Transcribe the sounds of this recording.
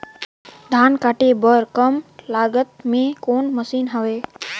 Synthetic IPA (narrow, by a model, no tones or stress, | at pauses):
d̪ʱaːnkaːʈebəɾkəmlaːɡət̪̚mẽkoːnməsiːnɦəʋeː